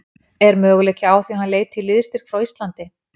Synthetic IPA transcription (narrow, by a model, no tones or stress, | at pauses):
ɛɾmœːɣlɛcɪaːwθihanleːjt̪t̪ʰːɪlːɪðst̪ɪɾ̥kʰvɾawist̪lant̪ɪ